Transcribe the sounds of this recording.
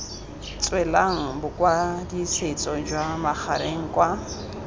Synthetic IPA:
t͡sʼwɛlaŋ̩bʊkʼwadiset͡sʼɔd͡ʒwamaχʰaɾeŋ̩kʼwa

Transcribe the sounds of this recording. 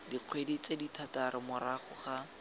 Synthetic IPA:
diq͡χʰwedit͡seditʰataɾʔɪmʊɾaχʊχa

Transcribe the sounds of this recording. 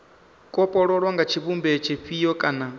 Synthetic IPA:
kʼɔpʼɔɺɔɺwaŋɡat͡ʃʰiβumbɛt͡ʃʰɛɸʰijɔkʼana

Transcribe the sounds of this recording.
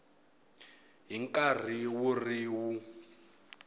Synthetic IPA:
ɦiŋkʼar̤iwuriwu

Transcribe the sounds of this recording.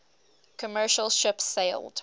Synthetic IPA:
kʰəmɜːˑʃəlˠʃɪpsːeɪlˠd̥

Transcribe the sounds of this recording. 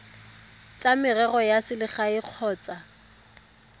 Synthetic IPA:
t͡sʼamɪrɛɣɔjasɪlɪχaɪq͡χʰɔːt͡sa

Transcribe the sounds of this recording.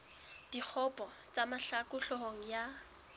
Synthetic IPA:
d̥ik͡xʰɔpɔ | t͡samaɬakʊɬɔɦoŋ̩ja

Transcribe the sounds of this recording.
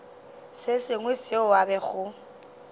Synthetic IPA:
sɪsɪŋwɪsɪʊabɛɣʊ

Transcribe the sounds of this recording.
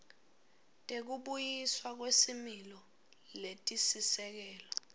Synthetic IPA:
tʼek̬uɓujiswak̬wesimilɔ | letʼisisɛk̬ɛːlɔ

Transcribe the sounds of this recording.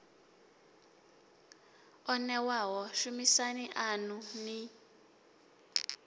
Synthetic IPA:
ɔnɛwaɦɔʃumisaniʔanuni

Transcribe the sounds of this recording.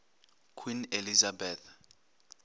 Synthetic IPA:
kʰwinelizabɛθ

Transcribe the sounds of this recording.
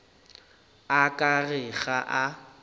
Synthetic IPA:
akʼarɪɣaʔa

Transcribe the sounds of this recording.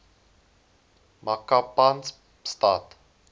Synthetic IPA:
makapans | stat

